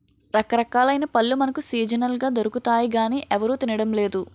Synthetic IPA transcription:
ɾɐkɐɾɐkaːlɐjnɐpɐlːumɐnɐkusiːd͡ʒɐnɐlɡaːd̪o̞ɾukut̪aːjiɡaːniːʔɛʋɐɾuːt̪inɐɽɐmleːd̪u

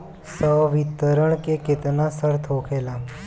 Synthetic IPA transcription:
səʋit̪ːəɾəɳ̃kekɪt̪nasəɽt̪ʰoːkʰeːlaː

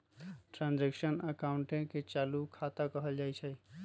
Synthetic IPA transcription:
ʈɾãnd͡ʒeksənəkaʊɳʈẽket͡ʃalukʰat̪akəɦəld͡ʒajt͡ʃʰəj

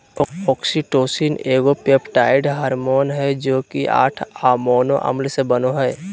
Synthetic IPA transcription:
ɔːksiʈoːsineːɡopepʈaːɪɖɦaːɾmoːnɦɛd͡ʒoːkiʔa̰ːʈʰaːmoːnoʔə̰mlsebənoɦɛː

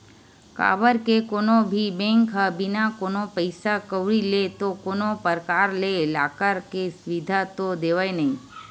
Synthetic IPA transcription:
ka̰ʋəɾkekoːnobʱibẽŋkɦəbinakoːnopəɪsakəʋɭilet̪okonopəɾkaɾlelaːkəɾkesʋid̪ʱat̪od̪eʋaenəɦĩ

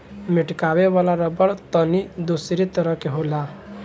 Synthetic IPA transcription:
miʈkaweʋalaɾəbəɽt̪ənid̪usɾit̪əɾəɦkeɦola

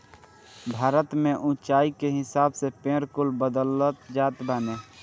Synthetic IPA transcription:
bʱaːɾət̪mẽʔʊ̃t͡ʃaːikeɦɪsaːbsepẽːɾkʊlbəd̪ələt̪d͡ʒaːt̪baːneː

